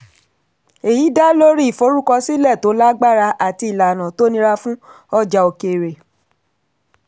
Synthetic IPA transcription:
e˨ji˨˦da˦lo˦ɾi˦i˦˨fo˧˦ɾu˦kɔ˧si˦lɛ˦˨to˨˦la˦ɡ͡ba˦˨ɾa˧ʔa˦˨ti˧˨la˨nã˨to˦nĩ˧ɾa˧fũ˦ | ɔ˦d͡ʒa˧o˧ke˨ɾe˨

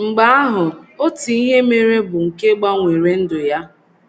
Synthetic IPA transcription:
ŋ͡m̩˨ɡ͡ba˦a˦ɦʊ˨o˦ti˨i˦ɦe˦me˦ɾe˦bʊ˨ŋ̩˨ke˦ɡ͡ba˦ŋʷe˨ɾe˦n̩˦dʊ˨ja˦

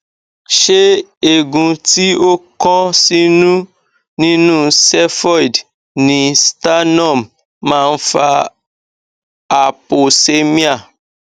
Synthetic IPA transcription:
ʃe˦e˦˨ɡũ˧ti˦o˦kɔ̃˦si˦nũ˦ | nĩ˦nũ˦sɛ˦fɔ˦i˨d | nĩ˨˦sta˦nɔ̃˦˨m | mãː˦˧n̩˦fa˧ | a˨po˨se˦mĩ˦a˦˨

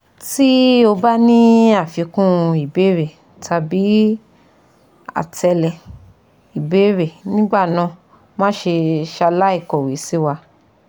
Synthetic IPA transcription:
ti˦o˧ba˦nĩ˦a˦˨fi˨˧kũ˦˧i˨be˨˦ɾe˨ | tʰa˨bi˨˦ | a̰˨tʰɛ˧lɛ˨ | i˨be˨˦ɾe˨nĩ˦ɡ͡ba˦˨nã˧ | mãː˦ʃe˧ʃa˧la˦i˦˨kɔ˨wi˨˦si˦wa˧

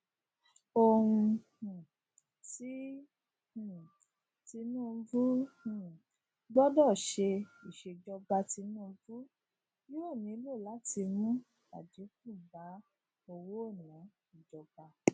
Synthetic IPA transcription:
o˧hũ˧˨ | ti˦˨ | ti˧nũː˦˨˧vũ˦˨ | ɡ͡bɔ˦dɔ˦˨ʃe˧i˨ʃe˧d͡ʒɔ˧ba˧ti˧nũː˦˧vu˦ | ji˦wɛ˦˨mĩ˨˧˦lo˦˨la˨˦ti˧mũ˦ | a̰˨d͡ʒi˨˦ku˦˨ba˨˦ | o˧wo˦o˦˨nã˨˦ | i˦˨d͡ʒɔ˧ba˧

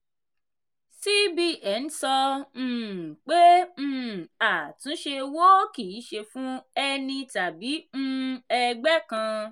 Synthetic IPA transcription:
si˦bi˦ʔɛ˨˦n̩˦sɔ˧ñ̩ː˦˨k͡pe˦ñ̩ː˦˨a˨tũ˨˦ʃe˧wo˦ki˨˦ʃe˧fũ˦ɛ˧nĩ˧ta˨bi˨˦ñ̩˦ɛ˧ɡ͡bɛ˦kã˧

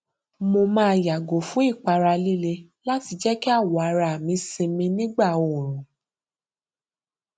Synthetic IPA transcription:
mo˧mãː˦˧ja˨ɡo˨fũ˨˦i˦˨k͡pa˧ɾa˧li˦le˧ | la˦ti˧d͡ʒɛ˦ki˦a˦˨wɔ˨a˨˧˦ɾa˧˨mĩ˧si˧mĩ˧nĩ˦ɡ͡ba˦˨o˨ɾ̃ũ˨

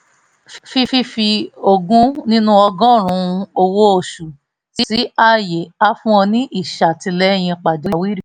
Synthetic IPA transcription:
ffi˦fi˦fi˧o˧ɡũ˦nĩ˦nũ˦ɔ˧ɡɔ̃˦˨ɾ̃ũ˨˦˧o˧wo˦o˨ʃu˨ | si˦si˨˦a˦˨je˨a˦fũ˦ɔ̃˧nĩ˦ʔi˦˨ʃa˨tĩ˧lɛ˦˨j̃ĩ˧k͡pa˨d͡ʒo˨˦˨wi˦ɾi˦

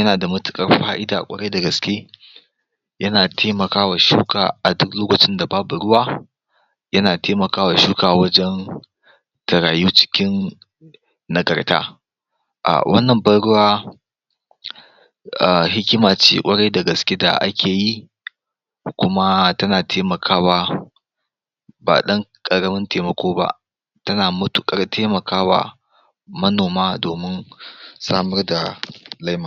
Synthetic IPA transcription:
jɐ˦naː˨da˨mʊ˦tʊ̥˨kʼɐ˦rɸaː˦ʔɪ˦daː˨kʷʼɐ̰˦ɽɐ˦jdɐ˨ɡɐ˨skʲeː˦ | jɐ˦naː˨tʰeː˦mɐ˨kaː˦wa˨ʃṵː˦kaː˨ʔa˨dʊ˦kloː˦kɐ˨t͡ʃɪ˦nda˨baː˦bu˨ɽʊ˦waː˦ | jɐ˦naː˨teː˦mɐ˨kaː˦wa˨ʃuː˦kaː˨wɐ˦d͡ʒɛ˦n | tʰɐ˨ɾaː˨juː˦t͡ʃɪ̥˦kʲɪ˦n | ɐ˨ɡɐ˨rta̰ː˦ | ʔa̰˨wʔɐ˦nːɐ˨mbɐ˦ɽʊ˦waː˦ | ʔa˨ɦɪ˦kʲɪ˦maː˨t͡ʃḭː˦kʷʼɐ˦ɽɐ˦jdɐ˨ɡɐ˨skʲi˦da̰˨ʔa̰˦kʲʰeː˨ji˦ | kʷʊ˦ma˦tɐ˦naː˨tʰeː˦mɐ˨kʰaː˦waː˦ | ba̰ː˨ɗɐ˦ŋkʼɐ˨ɽɐ˦mɪ˦nteː˨mɐ˨kʷoː˦ba̰˦ʔ | tɐ˦naː˨mʊ˦tu˨kʼɐ˦rtʰeː˦mɐ˨kʰaː˦wa̰ː˨ | mɐ˦noː˨maː˦doː˨mɪ˦nsaː˦mɐ˦rda˨lɐ˦jma˨

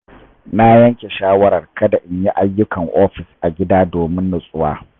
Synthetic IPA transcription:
na˦jɐ˦ŋkʲe˨ʃaː˦wɐ˦ɾɐ˨rkɐ˦da˨ʔɪ˨ɲji˦ʔa˦jːʊ˦kʰɐ˨ŋʔoː˦ɸɪ˨sʔa˨ɡʲɪ˦daː˦doː˨mɪ˦nːɐ˨sʼʊ˦wa̰ː˦

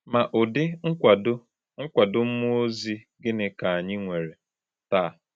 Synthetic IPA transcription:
ma˨ʔʊ˨dɪ˦ŋ̩ʷ˦a˨dʊ˦ | ŋ̩˦kʷa˨dʊ˦m̩˦mʊ˦o˦zi˦ | ɡɪ˦nɪ˨ka˨a˨ɲɪ˦ŋʷe˨ɾe˨ | ta˦˨

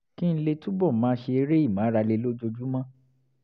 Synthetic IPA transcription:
kĩ˦n̩˦le˧tũ˦bɔ˦˨˦mãː˧˦ʃe˧e˧˦ɾe˦i˦˨mã˨˦ɾa˧le˧lo˦d͡ʒo˧d͡ʒu˦mã˦

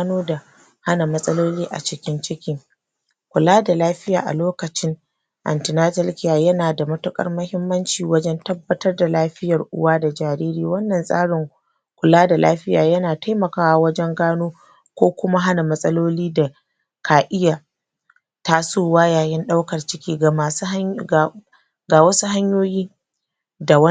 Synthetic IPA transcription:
a˦noː˦da˨ | ha˦na˨mɐ˦sʼɐ˦loː˦liː˦ʔa̰˨t͡ʃɪ˦kʲɪ˦nt͡ʃɪ˦kʲɪ˦ŋ | kʷʊ˨laː˦da˨laː˦ɸɪ˦ja̰ː˨ʔa̰˨loː˦kɐ˨t͡ʃɪ˦ŋ | ʔa̰˨ntɪ˨naː˦tɐ˦lkʲɪ˨jaː˨jɐ˦naː˨da˨mɐ˦tʊ˦kʼɐ̰˦rmɐ˦hɪ˦mːɐ˦nt͡ʃiː˨wɐ˦d͡ʒɛ˦ntɐ˦bːɐ˦tɐ˦rda˨laː˦ɸɪ˦jɐ˨rʔʊ̰˦waː˦da˨d͡ʒaː˨ɾiː˦ɾiː˦wɐ˦nːɐ˨nsʼa̰ː˦ɽɪ˨ŋ | kʷʊ˨laː˦da˨lʔa̰ː˦ɸɪ˦jaː˨jɐ˦naː˨ta˦jmɐ˨kaː˦wa˦wɐ˦d͡ʒɛ˦ŋɡaː˦noː˦ | kʷoː˦kʷʊ˦ma˦ɦa˦na˨mɐ˦sʼɐ˦loː˦liː˦da˨ | kʰaː˨ʔɪ˦jaː˨ | ta˦suː˦waː˦jaː˨jɪ˦nɗa˦wkɐ˨rt͡ʃɪ˦kʲiː˦ɡa˨maː˨s | ɡaː˨wɐ˦su˦ɦa˦ɲjoː˦jiː˦ | da˨wɐ˦

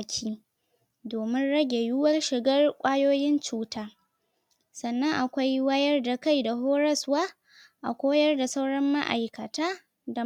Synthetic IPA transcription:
kʲʰiː˦ | doː˨mɪ˦nɽɐ˦ɡʲe˨jʊ˦wɐ˦rʃɪ˨ɡɐ˦rkʷʼaː˦joː˦jɪ˦nt͡ʃuː˦taː˦ | sɐ˨nːɐ˦ŋʔa˨kʷa˦jwɐ˦jɐ˦rda˨ka˦˨jda˨ɦoː˦ɾɐ˦swaː˦ | ʔa̰˨kʷoː˦jɐ˦rda˨sa˦wɽɐ˦mːa˦ʔa̰˨jkɐ˨taː˦ | da˨

